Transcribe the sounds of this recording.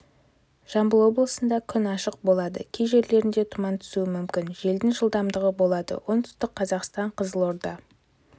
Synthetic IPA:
ʒ̥ɑmbəlˠwo̞blˠəsənd̪ɑkʲʰʏnɑʃəq̚bo̞lˠɑd̪ə̰kʲʰejʒe̞ɾle̞ɾɪnd̪e̞t̪ʰʊmɑnt̪ʰʏ̥suɪmʏmkʲɪnʒe̞ld̪ɪŋʒəlˠd̪ɑmd̪əʁəbo̞lˠɑd̪ə̰wʔo̞nt̪ʰʏ̥st̪ɪq̚qːʰɑzɑqst̪ɑɴqʰəzəlˠo̞ɾd̪ɑ

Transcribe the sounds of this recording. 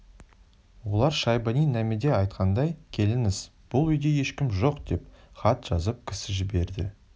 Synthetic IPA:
wo̞lˠɑɾʃɑjbɑnijnæmɪd̪e̞ɑjt̪qʰɑnd̪ɑjkʲʰe̞lɪnɪz̥b̥ʊlˠʏjd̪e̞je̞ʃkʲɪmʒo̞qd̪̥e̞p̚χɑt̪ʒ̥ɑzəp̚kʲʰɪ̥sɪʒɪbe̞ɾd̪ɪ̰

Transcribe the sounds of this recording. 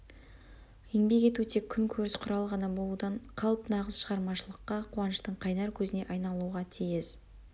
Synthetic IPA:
eŋbe̞kʲe̞t̪ut̪ʰekʲʰʏŋkʲʰɵɾɪsqʰʊɾɑlˠʁɑnɑbo̞lˠud̪ɑɴqʰɑlˠpnɑʁəzʃəʁɑɾmɑʃəlˠəqːɑqʰʊwɑnəʃt̪əɴqʰɑjnɑɾkʲʰɵzɪne̞ʔɑjnɑlˠuʁɑt̪ʰijɪz

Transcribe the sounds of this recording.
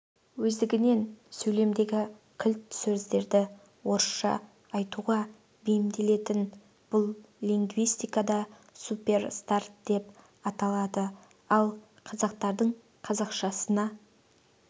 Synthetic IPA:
wɵzd̪ɪɡʲɪne̞nsɵjle̞md̪e̞ɡʲɪkʲʰɪlt̪sɵzd̪e̞ɾd̪ɪ | wo̞ɾəsʃɑ̰ː | jt̪uʁɑ | bejɪmd̪e̞le̞t̪ɪn | b̥ʊlˠ | lʲiŋɡvijst̪ijkɑd̪ɑ | supʲe̞rst̪art̪̚d̪e̞p | ɑt̪ɑlˠɑd̪ə | ɑlˠ | qʰɑzɑq̚t̪ɑɾd̪əɴ | qʰɑzɑqʃɑsənɑ

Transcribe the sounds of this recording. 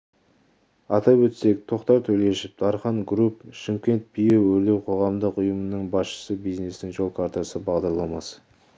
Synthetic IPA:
ɑt̪ɑpwɵt̪se̞k̚t̪ʰo̞qt̪ɑɾt̪ʰɵle̞ʃɪp̚d̪ɑɾχɑnɡɾupʃɪmkʲe̞nt̪̚bʰijewɵɾle̞wqʰo̞ʁɑmd̪əqʊjəmənəɴbɑsʃə̥səbijzne̞st̪ɪŋʒo̞lˠkʰaɾt̪asəbɑʁd̪ɑɾlˠɑmɑs

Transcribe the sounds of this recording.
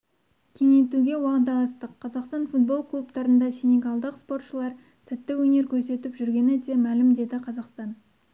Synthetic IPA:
kʲʰe̞ŋe̞t̪uɡʲe̞wɑqət̪ɑlˠɑst̪əqʰːɑzɑqst̪ɑnfut̪̚bo̞lˠkʰlˠupt̪ɑɾənd̪ɑsʲenʲeɡɑlˠd̪əqspo̞ɾt̪ʃəlˠɑɾ | sɪt̪ːɪwɵne̞ɾkʲʰɵɾse̞t̪ɪpʒʏɾɡʲe̞nɪd̪e̞mælɪmd̪e̞d̪ɪqʰɑzɑqst̪ɑn

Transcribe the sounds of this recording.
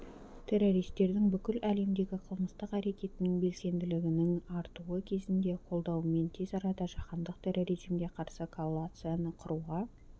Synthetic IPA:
t̪ʰe̞ɾo̞ɾijst̪e̞ɾd̪ɪŋbʏkʲɪlæle̞md̪e̞ɡʲɪqʰəlˠməst̪əqæɾe̞kʲe̞t̪ɪnɪŋbe̞lse̞nd̪ɪlɪɡʲɪnɪŋɑɾt̪uəkʲʰe̞zɪnd̪e̞qʰo̞lˠd̪ɑwme̞nt̪ʰezɑɾɑd̪ɑʒɑqɑnd̪əq̚t̪ʰeroɾiʒimɡʲe̞qʰɑɾsəkʰolˠːat̪sɨjanəqʰʊɾuʁɑ

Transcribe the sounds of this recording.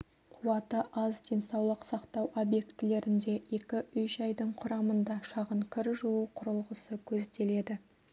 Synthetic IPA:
qʰʊwɑt̪əʔɑzd̪e̞nsɑwlˠəqsɑqt̪ɑwʔo̞bje̞kt̪ɪle̞ɾɪnd̪e̞e̞kʲɪʏjʃɑjd̪əɴqʰʊɾɑmənd̪ɑʃɑʁəɴkʲʰɪɾʒuwəqʰʊɾəlˠʁəsəkʲʰɵzd̪e̞le̞d̪ɪ

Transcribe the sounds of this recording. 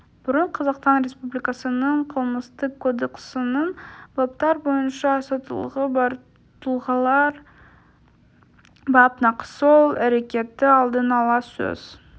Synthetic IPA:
b̥ʊɾəɴqʰɑzɑqst̪ɑnɾe̞spublijkɑsənəɴqʰəlˠməst̪əkːod̪eksənəɴb̥ɑp̚t̪ɑɾbo̞jənʃɑsɑt̪əlˠʁəb | t̪əlˠʁɑlˠɑɾ | bɑpnɑqə̥solˠæɾe̞kʲe̞t̪ːɪɑlˠd̪ənɑlˠɑsɵ̰z̥

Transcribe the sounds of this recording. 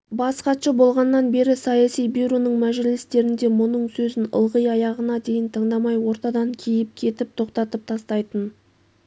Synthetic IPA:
bɑsqɑʃəbo̞lˠʁɑnːɑnbe̞ɾɪsɑjɑsijbiɾonəɴmæʒɪlɪst̪e̞ɾɪnd̪e̞mʊnəɴsɵzɪnə̰lˠʁəjɑjɑʁənɑd̪e̞jɪnt̪ʰəɴd̪ɑmɑjwo̞ɾt̪ɑd̪ɑŋkʲʰejɪp̚kʲʰe̞t̪ɪp̚t̪ʰo̞qt̪ɑt̪əp̚t̪ʰɑst̪ɑjt̪ən

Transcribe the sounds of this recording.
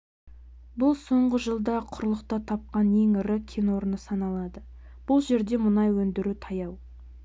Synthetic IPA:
bʊlˠso̞ɴʁəʒəlˠd̪ɑqʰʊɾlˠəqt̪ɑt̪ʰɑp̚qɑne̞ŋɾəkʲʰenwo̞ɾənəsɑnɑlˠɑd̪ə | b̥ʊlˠʒe̞ɾd̪e̞mʊnɑjwɵnd̪ɪɾut̪ʰɑjɑw

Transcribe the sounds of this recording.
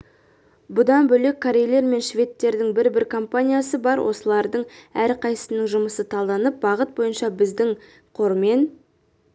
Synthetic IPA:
bʊd̪ɑnbɵle̞kʰːoɾʲe̞jlʲˠe̞ɾme̞nʃvʲe̞t̪ːe̞ɾd̪ɪŋbɪɾbɪɾkʰo̞mpanʲijasəbɑɾwʔo̞̰səlˠɑɾd̪əɴæɾqʰɑjsəsənəɴʒʊməsət̪ʰɑlˠd̪ɑnəp̚bɑʁət̪̚bo̞jənʃɑbɪzd̪ɪŋ | qʰo̞ɾme̞n

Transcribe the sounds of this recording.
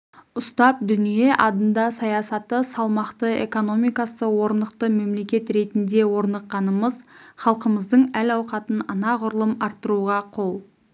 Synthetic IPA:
ʊst̪ɑp̚d̪ʏnije̞ʔɑd̪ənd̪ɑsɑjɑsɑt̪ːəsɑlˠmɑqt̪əe̞̰ko̞no̞mijkɑsəwo̞ɾnd̪əqt̪əme̞mle̞kʲe̞t̪ɾe̞t̪ɪnd̪e̞wo̞ɾnɑqːɑnəməzχɑlˠqəməzd̪əɴælɑwqɑt̪ənənɑʁʊɾəlˠəmɑɾt̪ːəɾuʁɑqʰo̞lˠ

